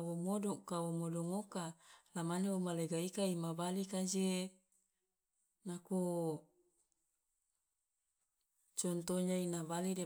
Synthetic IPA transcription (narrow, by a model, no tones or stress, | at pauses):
womodɔkawomodɔŋokalamaneomaleɡaikaimabalikad͡ʒe | naku | t͡ʃɔnt̪oɲainabaliɾe